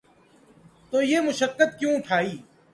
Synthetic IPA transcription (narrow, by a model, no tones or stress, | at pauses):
t̪oːjeːmʊʃəkːət̪̚kjũːʈʰaːiː